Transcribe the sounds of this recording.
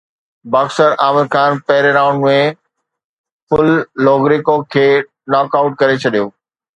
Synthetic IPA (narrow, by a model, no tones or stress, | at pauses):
baːxsəɾaːmɪd̪xaːnpɐɦɪɾeɾaːʊ̃ɳɖmẽ | fʊlːɔːɡɾikokʰeː | nɔːkaʊʈ̚kɐɾet͡ɕʰɐɗijoː